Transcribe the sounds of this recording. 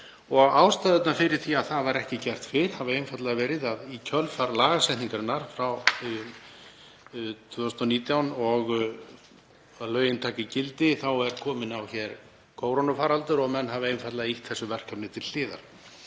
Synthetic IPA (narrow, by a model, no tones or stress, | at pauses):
ɔɣaːwst̪aːðʏt̪nafɪɾɪɾ̥θiaðθaðvaɾɛhcɪcɛr̥t̪fɪɾ̥havʏejnfat̪laɣavɛːɾɪðaðicʰœlfaɾlaːɣasɛjht̪niŋkaɾɪnaɾ̥fɾaw | t̪ʰv̥ʏːst̪ɔniːt̪jawnɔɣ | alœːɥjɪnt̪ʰaːcɪcɪlt̪ɪθawɛɾ̥kʰɔːmɪnawçɛɾ | kʰoːwɾonɔfaːɾalt̪ʏɾɔɣmɛnːɦavʏejnfat̪laɣaiht̪θɛsːʏvɛr̥kʰapnɪt̪ʰɪl̥lɪːða̰ɾ̥